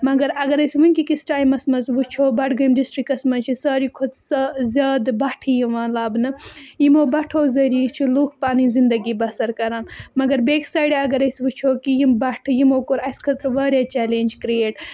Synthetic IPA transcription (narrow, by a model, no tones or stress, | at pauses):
mɐɡɐɾɐɡɐɾɐsʋunkikisʈaːjmɐsmɐzʋut͡ʃʰoːbɐʈɡɐjimɖisʈɾikɐsmɐt͡ʃʰisɐːɾikʰot̪sɐzaːd̪bɐʈʰijiʋãːlaːbnɨjimoːbɐʈʰoːzɐɾiːt͡ʃʰilukʰpaːnizind̪ɐɡibɐsɐɾkɐɾãːnmɐɡɐɾbeːksaːjɖeɐɡɐɾɐsʋut͡ʃʰoːkijimbɐʈʰjimoːkoɾɐskʰɐt̪ɾʋɐːɾʲjaːt͡ʃɛːleːnʲd͡ʒkɾijeːʈ